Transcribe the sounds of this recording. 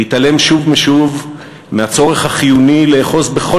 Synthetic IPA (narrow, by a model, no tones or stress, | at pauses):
itale̞mʃuvmeʃuv | meat͡so̞ʁe̞χhaχijunileːχo̞sbe̞χo